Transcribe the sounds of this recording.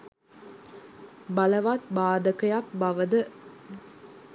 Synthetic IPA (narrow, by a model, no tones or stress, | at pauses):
bɐləʋat̪̚baːd̪əkəjak̚bɐʋəd̪ə